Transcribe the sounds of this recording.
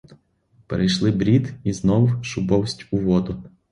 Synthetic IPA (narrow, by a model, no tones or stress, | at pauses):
peɾʔejʃlˠɪbɾʲid̪iznɔwʊʃʊbɔwsʲtʲʊʋɔd̪ʊ